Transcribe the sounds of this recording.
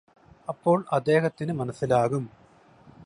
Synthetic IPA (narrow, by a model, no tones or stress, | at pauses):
ɐpːo̞ːɭʔɐd̪ːe̞ːɦɐt̪ːinɨmɐnɐsːilaːɣum